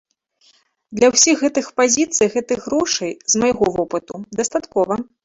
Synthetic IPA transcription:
d̪lʲɐwsʲiɣːɛt̪ɨxpazʲit̪sɨjɣɛt̪ɨjɣɾɔʂɐjzmajɣɔvɔpɨt̪ud̪ɐst̪at̪kɔvɐ

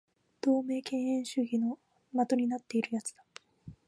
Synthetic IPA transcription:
d̪̥o̞ːme̞ːkẽ̞ɰ̃ẽ̞ɰ̃ɕɨɡʲino̞ | mat̪o̞ɲ̟inat̪ːe̞iɾɯ̟jat͡sɨ̥d̪̥a

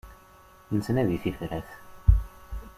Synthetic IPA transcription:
nəsənæðiθifɾæθ

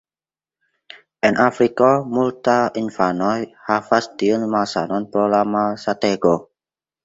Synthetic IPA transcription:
ʔɛnʔafɾikamult̪aʔinfanɔjhafasd̪̥iʊnmalsanɔnpɾolamasat̪ɛɡɔ

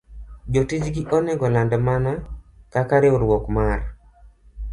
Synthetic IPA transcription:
d͡ʒotid͡ʒɡiʔɔnɛɡɔlandɛmanakakaɾɪʊɾwɔkmar

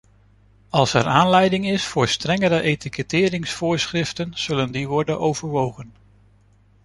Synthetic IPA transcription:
ɑlˠsɛɹaːnlɛjdɪŋɪsfʊːɹstrɛŋəɾəʔejtikətɪːɾɪŋsfʊːɹsχrɪftənz̥ɵləndiʋɔɹdənʔowvəɹʋowχən

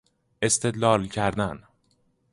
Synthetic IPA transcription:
ʔe̞st̪ʰe̞d̪lɒːlcʰæɾd̪æn

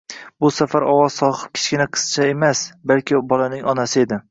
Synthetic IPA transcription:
bʊsafaɾɒwɒz̥sɒχɨ̥p̚kʲʰɪ̥t͡ʃkʲɪnaqʰɨ̥st͡ʃʰae̞masbalkʲɪbɒlanɪŋɒnasɪe̞d̪ɪ

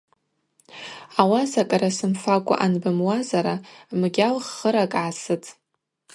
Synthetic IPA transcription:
awasakʼaɾasɨmfakʷʼa̰ʔanbɨmwazaɾamɡʲalχːəɾakʼʕasɨtʼ

